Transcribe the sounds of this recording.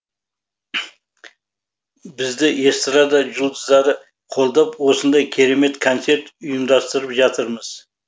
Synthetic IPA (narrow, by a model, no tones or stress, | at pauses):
bɪzd̪ɪje̞st̪ɾɑd̪ɑʒʊlˠd̪əzd̪ɑɾə | qʰo̞lˠd̪ɑpwo̞sənd̪ɑjkʲʰe̞ɾe̞me̞t̪kʰonse̞ɾt̪ʊjəmd̪ɑst̪əɾəpʒɑt̪əɾməz̥